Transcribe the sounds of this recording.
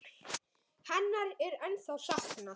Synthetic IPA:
hɛnːaɾɛɾɛnθawsahkna

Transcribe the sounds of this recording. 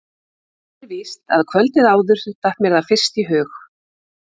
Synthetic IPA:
ɾviːst̪a̰ðkʰvœlt̪ɪðaːwðʏɾ̥t̪ahpmɛɾðafɪr̥st̪iɦœːx

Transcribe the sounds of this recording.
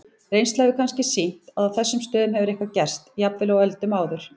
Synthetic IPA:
rejnst̪aɣvʏkʰanscɪsin̥t̪aðaθɛsːʏmst̪œːðʏmhɛvʏɾehkvacɛr̥st̪japvɪlawɛlt̪ʏmaːwðʏɾ̥

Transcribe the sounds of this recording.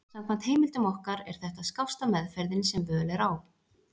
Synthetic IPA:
samkʰvant̪heːjmɪlt̪ʏmɔhkaɾɛ̰ɾ̥θɛht̪aðskawst̪amɛðfɛɾðɪnsɛmvœːlɛɾaw

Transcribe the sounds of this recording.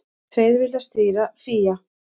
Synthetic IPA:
θʰvejðvɪlðast̪ɪːɾaθiːja

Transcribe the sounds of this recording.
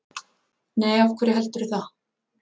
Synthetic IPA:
nɛjafkʰv̥ɛːɾɪɦɛlt̪ʏɾʏθa

